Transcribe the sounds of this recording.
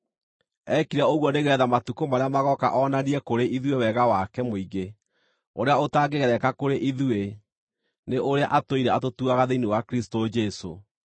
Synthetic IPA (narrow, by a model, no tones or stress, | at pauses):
ɛkiɾaoɣwɔneɣeɾɛðamatukomaɾeamaɣɔka̰ʔɔnaniɛkoɾeʔiðwewɛɣawakɛmoiɣe | oɾeaotaːɡeɣɛɾɛkakoɾeʔiðue | neʔoɾeaʔatoiɾɛatotuaɣaðeiniwakɾistod͡ʒɛso̰